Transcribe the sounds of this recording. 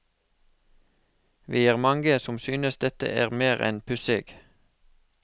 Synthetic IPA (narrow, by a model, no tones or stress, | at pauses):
ʋiːæːʁmɑŋɡəsɔmsyːnəsd̪ɛt̪ə̰ʔæːʁmeːʁɛ̰npʰʉsɪɡ̥